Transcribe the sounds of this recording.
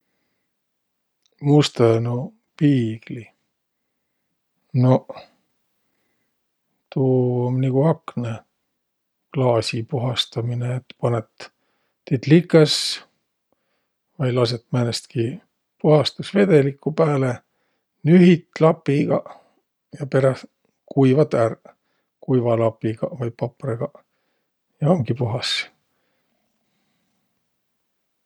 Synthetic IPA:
must̪ɑno | piːɡ̥li | no̞ | t̪uːomniɡ̥uhɑkne | klɑːsʲipuɦɑst̪ɑmineːt̪ːpɑnet̪ː | it̪likːˑɑs | vɑjlɑs̬et̪ːmænest̪ki | puɦɑst̪usve̞d̪e̞likːˑupæːle | nyɦit̪ˑlɑpːˑiɡ̥ɑ̰ | jɑpe̞ɾɑ | kujvɑt̪ær | kujvɑlɑpːˑiɡ̥ɑvɑjpɑpreɡ̥ɑ | jɑomɡ̥ipuɦɑs

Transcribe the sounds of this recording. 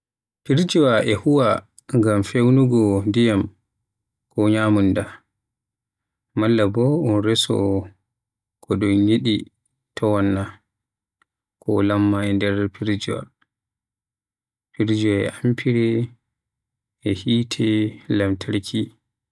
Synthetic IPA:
piɾd͡ʒuwaʔɛhuwa | ŋɡamfewnuɡɔndijam | kɔɲamunda | malːabɔɔnɾɛsɔ̰ | kʰɔɗɔnɲeɗi | tʰɔwanːa | kɔ̰lamːaɛndɛɾpʰiɾd͡ʒuwa̰ | piɾd͡ʒuwaɛ̰ʔampʰiɾɛ | ɛhiːtʰɛlamtʰaɾkʰi

